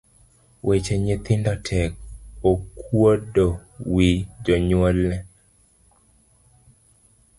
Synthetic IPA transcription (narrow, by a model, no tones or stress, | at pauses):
wʔet͡ʃeɲet̪ɪndɔtʰɛk̚okwodowid͡ʒɔɲwɔlːɛ